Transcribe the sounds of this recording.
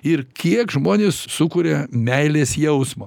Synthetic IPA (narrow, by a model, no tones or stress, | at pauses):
ɪɾkʲiɛkʒmoːnʲeːssʊkuːɾʲɛmʲɛɪlʲeːsjɛʊsmoː